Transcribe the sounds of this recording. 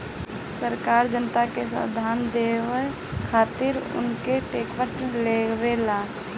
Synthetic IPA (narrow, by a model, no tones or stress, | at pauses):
səɾkaːɾd͡ʒənt̪akesa̰d̪ʱaːnd̪ewə | kʰaːt̪ɪɾʊ̰nkeʈeːkpəʈlewelaː